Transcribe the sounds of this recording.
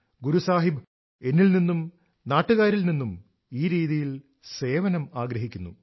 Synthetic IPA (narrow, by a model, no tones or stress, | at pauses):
ɡuɾusaːɦib | e̞nːilninːum | naːʈːuɣaːɾilninːum | iːɾiːðijil | se̞ːʋɐnɐmaːɡɾɐɦikʲːunːṵ